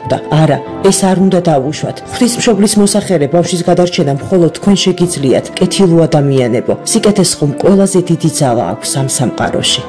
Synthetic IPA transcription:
d̪a̰aɾa | ɛsaɾund̪ad̪auʃwa̰t̪ʰχwd̪ismʃɔblismɔsaχɛlɛbafʃis̬ɡad̪aɾt͡ʃʰɛnamχɔlˠɔd̪̚t̪ːʰkʰwɛnʃɛɡid̪zlia̰t̪ʰkʼɛt̪ʰilˠuad̪amianɛbɔsikʼɛt̪ʰɛsχɔmkʼwɛlˠazɛd̪id̪id̪zalˠa̰ːkʷʰsamsamqʼa̰ɾɔ̰ʃi

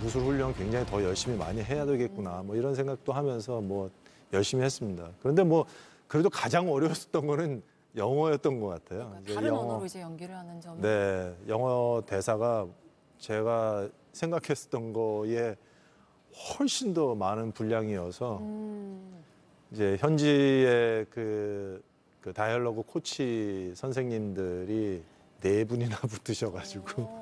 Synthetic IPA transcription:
us̬ʰuɾɸuʎːʌŋkwe̞ŋd͡ʑaŋitʌjʌɭɕ͈imima̰ɲiɦe̞jadeɡe̞t̚k͈unamwʌiɾʌns̬ʰe̞ŋɡak̚t͈oɦamjʌnsʰʌmwʌ | jʌɭɕ͈imihe̞s͈ɯmɲidakɯɾʌnde̞mwʌ | kɯɾe̞dokad͡ʑaŋʌɾjʌws͈ʌ̥t͈ʌnɡʌnɯn | jʌŋʌjʌt̚t͈ʌnɡʌk͈atʰejoid͡ʑe̞jʌŋʌŋɡne̞jʌŋʌte̞sʰaɡa | t͡ɕe̞ɡa | sʰe̞ŋɡakʰe̞s͈ʌ̥t͈ʌnɡʌe̞ | hʌɭɕ͈indomanɯnpuʎːaŋiʌsʰʌ | id͡ʑe̞çjʌnd͡ʑiekɯ | kɯtajʌɭːʌɡɯkʰot͡ɕʰisʰʌns̬ʰe̞ŋɲimdɯɾi | ne̞buɲinaputʰɯɕʰʌɡad͡ʑiɡo

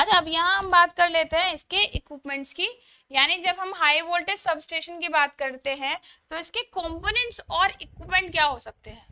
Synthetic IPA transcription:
ɐt͡ʃʰaɐbjɐɦãɦɐ̃mbaːt̪kɐɾleːt̪eɦɛ̃ɪskeʔɪkwɪpmɛ̃ɳʈski | jaːnid͡ʒɐbɦɐmɦaːiʋoːlʈesɐbsʈeːʃənkibaːt̪kɐɾt̪eɦɛ̃t̪oɪskekɔ̃ːmpoːnɛ̃ɳʈsɔːɾɪkwɪpmẽɳʈ̚kjaːɦosɐk̚t̪eɦɛ̃ː

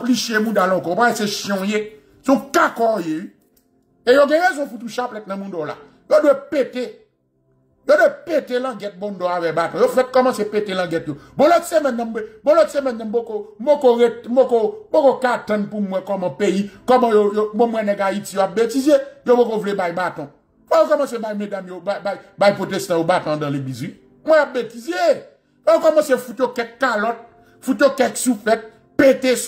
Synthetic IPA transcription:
pliʃemũdalɔ̃koopaeseʃjɔ̃je | sũkakɔje | ejoɡɛ̃ɣezũfut̪uʃaplɛtnãmũdɔla̰ | jodwepete | jodwepetelãɡɛt̚bɔ̃ndɔavɛbatɔ̃jofɛt̚kɔmãsepetelãɡɛtjoboloti̥semɛ̃nãmbeboloti̥semɛ̃nãmbokobokoebokobokokatãnpumwɛ̃kɔmãpejikɔmãjojobomwɛ̃nɛ̃ɡaitijoap̚betizejobokovlebajbatɔ̃ | fɔokɔmãsebajmedamjobaajbajipotest̪ãjobatɔ̃dãlebizwi | mwɛ̃wap̚betize | ojokɔmãsefutjokɛkalɔt̚ | fut̪jokɛksufɛt̚ | petes

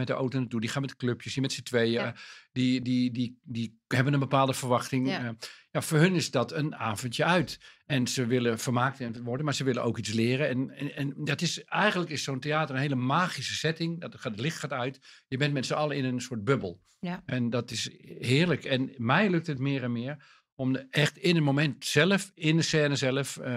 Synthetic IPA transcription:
mɛt̚dəʔowtonətudixaːnmɛtdkløpjəsjəmɛtsətʋejdidididi | hɛbənənbəpaːlˠdəfərʋɑxtɪŋjafoːɹɦɵnɪsdɔtənaːvəntjəœɥtɛnsəʋɪlˠəfərmaːk̚tɛntətʋɔrdənmaːɹsəʋɪlˠəʔoːkit͡slɪəɾəɛnɛndɔtɪsɛjɣəndləkɪssonteaːtərənɦeːlˠəmaːɣisəsɛtɪŋdɔtatlɪxtxaːtœɥtjəbɛntmɛtsəɑlˠəɪnənsʊət̚bøbəlˠ | ɛndɔtɪshɪːəɹləkɛnmɛjlɵk̚tətmɪːəɾɛnmɪːɹ | ɔmɛxtɪnətmomɛntsɛlˠəfɪndəsɛːnəzɛlˠəf

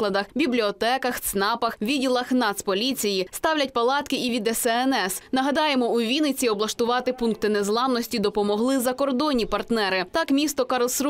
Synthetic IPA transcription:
lˠɐd̪ɐxbʲiblʲiɔt̪ɛkɐxt̪snɑpɐxʋʲidʲilˠɐxnɑt̪spɔlʲit͡sʲijist̪ɑwlʲɐt̚ʲpɐlˠɑt̪kɪʔiʋʲid̪ɛsɛɛnɛsnɐɦɐd̪ɑjemɔuʋʲinɪt͡sʲiɔblˠɐʃt̪ʊʋɑt̪ɪpunk̚t̪ɪnezlˠɑmnɔsʲtʲid̪ɔpɔmɔɦlˠɪzɐkɔrd̪ɔnʲːipɐrt̪nɛɾɪt̪ɑkmʲist̪ɔkɐɾlˠsɾ

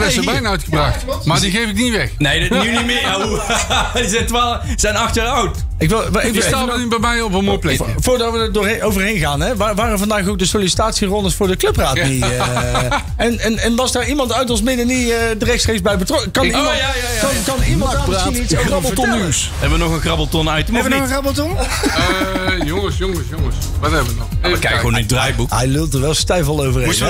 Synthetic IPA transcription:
ʋɛsəbɛjnœɥtχəbrɑxtmadiɣejvɪkniʋɛxnejdənynimɪ | zɪtʋalz̥ɛjnɑxtəɹɑwt | ɪkʋɪlˠʋɪəstːibɛmɛjɔpənmoːjplɛvʊːɹdɑtʋədədʊːɹowvəɹɦejnɣaːnɦɛʋaːʋaːrənvɑndaːχowk̚dəsolisi̥taːtsirɔndəsfʊːɹdəklɵpraːtni | ɛnɛnɛnʋɑzdaːɹimɑntœɥtɔsmɪdəniədərɛxtstreːkzbɛjbətrɔkəkɑnim | kɑnkɑnimɑraːniɑbltɔnis | ɛbʋənɔχənɣrɑblˠtɔnɛjtənxərɑbəl̩ˠtɔn | jɔŋəsjɔŋəsjoŋəs | ʋɑtɛbəənɔəkɛjkəɣwo̰ːnidrajbukɦɛjlølˠtəɹʋɛlˠstɛjfɑlˠowvərɦen

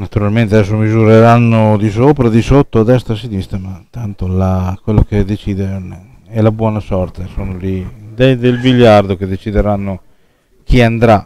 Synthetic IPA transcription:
nat̪uɾalment̪eaɛs̬ːomizuɾeɾanːod̪isoːpɾad̪isot̪ːoad̪ɛst̪ɾasinist̪ɾamat̪ant̪olakwelːoked̪et͡ʃid̪ene | ɛlabwɔːnasɔrt̪esoːnolid̪ed̪elbiʎːard̪oked̪et͡ʃid̪eɾanːo | kiand̪ɾa

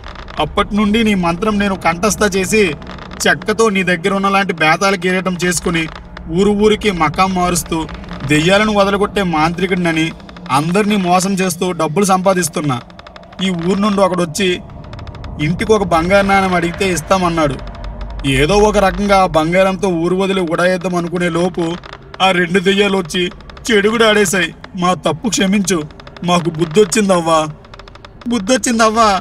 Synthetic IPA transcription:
ɐpːɐʈinuɳɖiniːmɐnt̪ɾɐmne̞ːnukɐɳʈɐs̬t̪ɐt͡ʃe̞ːs̬i | t͡ʃɛkːɐt̪o̞ːniːd̪ɐɡːɐɾɐunːɐlaːɳʈibɛːt̪aːlɐk̬eɾɛʈɐmt͡ʃe̞ːs̬u̥kuni | uːɾuuːɾikimɐkaːmːaːɾus̬t̪uːd̪ɛjːaːlɐniʋɐd̪ɐlɐɡoʈːe̞ːmaːnt̪ɾikɐɖɐni | ɐnd̪ɐɾiniːmɔːs̬ɐmt͡ʃe̞ːst̪uːɖɐbːulus̬ɐmp̬aːd̪is̬t̪unːa̰ː | iːuːɾunuɳɖiɔkɐɽɐt͡ʃːi | iɳʈikɔkɐbɐŋɡaːɾnaːnɐmɐɽiɡit̪e̞ːis̬t̪aːmɐnːaːɽṵ | eːd̪o̞ːɔk̬ɐɾɐkɐŋɡaːbɐŋɡaːɾɐnt̪̬o̞ːuːɾuʋɐd̪ɐliɡuɽajɛd̪ːɐmɐnukune̞ːloːpu | aːɾe̞ɳɖud̪ijaːluot͡ʃːit͡ʃeɽuɡuɽaːɽɛːs̬aːjmaːt̪ɐpːukʂɐmiɲt͡ʃumaːk̬ubud̪ːo̞t͡ʃːind̪ɐʋːaː | bud̪ːot͡ʃːind̪ɐʋːaː

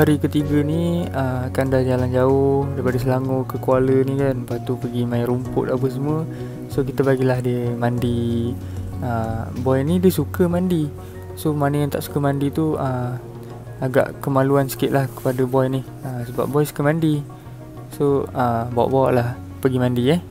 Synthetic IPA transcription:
aɾikət̪iɡəniəakandahd͡ʒaland͡ʒaʊhdaipadəs̬əlaŋokəkualənĩkanpat̪upəɡimaiɾumpʊ̰t̪̚apəs̬əmə | sokit̪əbaɡilaɦdəmandi | əbɔjnidisukəmandi | somanəjant̪a̰ʔsu̥kəmandit̪uəm | aɡa̰ʔkəmaluansə̥kɪʔ̪lahkə̥padəbɔjnih | əsəba̰p̚bɔjsu̥kəmandi | soəbawa̰ʔbawa̰ʔlah | pəɡimandiə

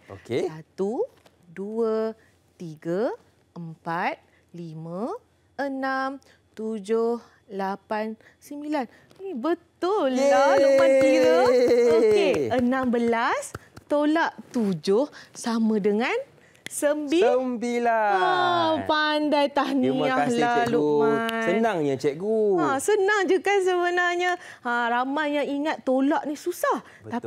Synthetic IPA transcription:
okesat̪u | duə | t̪iɡa | əmpat̪̚ | limã | ənam | t̪ud͡ʒʊh | lapan | səmbilan | inibət̪ʊlːaləpant̪iɾaokeənãmbəlast̪olaʔt̪ud͡ʒʊhsamãdəŋan | səmbiəmbilaapandajt̪ahniiahlalumasənaŋjat͡ʃɛʔɡuasənaŋd͡ʒukans̬əbənarɲaaramajːaŋiŋat̪ːolaʔnihsusah | t̪a

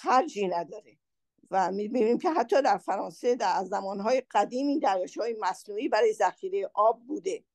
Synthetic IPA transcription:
xæɾd͡ʒiːnæd̪ɒːɾe | væmibiːniːmcʰe̞ɦæt̪ʰːɒːd̪æɾfæɾɒːnse̞d̪æzːæmɒːnɦɒːjeɢ̥æd̪iːmiːd̪æɾjɒːʃhɒːjemæsnuːiːbæɾɒːjezæxiːɾe̞jeʔɒːb̚ːuːd̪e̞

